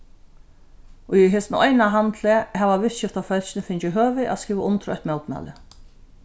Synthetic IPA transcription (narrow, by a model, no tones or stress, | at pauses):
ʊjɦeːsnɔjnaɦant̪lɛhɛːʋaʋɪʃɪft̪afœlɕɪnɪfɪɲt͡ʃʏɦøːvɪʔa̰skiːvaʔʊnt̪ʰɾɔ̰ht̪mɛwt̪ma̰ːlɪ̰